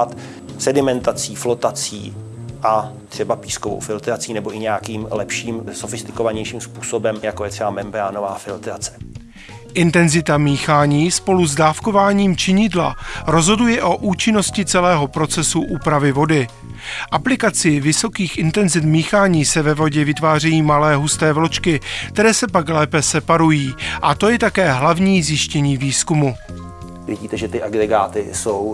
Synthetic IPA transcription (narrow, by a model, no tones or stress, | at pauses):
t̪ | sɛdɪmɛnt̪at͡siːflot̪at͡sḭː | ʔat̪r̥ɛbapiːskovo̰wfɪlt̪ɾat͡siːnɛbo̞ʔɪɲɛakiːmlɛpʃiːmsofɪst̪ɪ̥kovaɲɛjʃiːmspuːsobɛmjakojɛt̪r̥ɛbamɛmbɾaːnovaːfɪlt̪ɾat͡sɛ̥ | ʔɪnt̪ɛnzɪt̪amiːxaːɲiːspo̞luzdaːfko̞vaːɲiːmt͡ʃɪɲɪdla̰ɾo̞zɦo̞dujɛʔo̞ʔuːt͡ʃɪno̞scɪt͡sɛlɛːɦo̞pɾo̞t͡sɛsuʔuːpɾavɪvo̞dɪ | ʔaplɪkat͡sɪvɪso̞kiːxʔɪnt̪ɛnzɪt̪miːxaːɲiːsɛvɛvo̞ɟɛvɪt̪vaːrɛjiːmalɛːɦust̪ɛːvlo̞t͡ʃkɪkt̪ɛɾɛːsɛpaklɛːpɛsɛpaɾujiːʔat̪o̞jɛt̪akɛːɦlavɲiːzjɪʃcɛɲiːviːskumu | vɪ̰ɟiːt̪ɛʒɛt̪ɪʔaɡɾɛɡaːt̪ɪsow